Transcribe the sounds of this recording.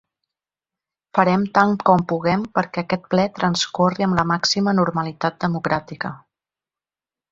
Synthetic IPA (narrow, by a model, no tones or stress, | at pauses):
fəɾɛmt̪aŋkɔmpuɣɛmpəɾkɛəkɛt̪̚plɛt̪ɾənskoriəmləmaksimənuɾməlit̪at̪̚d̪əmukɾat̪ikə